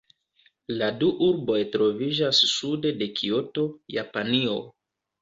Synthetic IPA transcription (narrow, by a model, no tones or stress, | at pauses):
laduʔuɾbo̞jtɾo̞vid͡ʒasːude̞de̞kʰio̞to̞ja̰panio̞